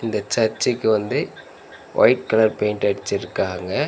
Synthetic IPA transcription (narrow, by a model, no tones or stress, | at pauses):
ɪnd̪ɐt͡ʃɐɾt͡ʃːɪkːɯʋɐnd̪ɯ | ʋʔɐ̰ɪʈ̚kɐlɐɾpeɪnʈɯɐɽɪt͡ʃːɪɾɯkːaːŋɡɐ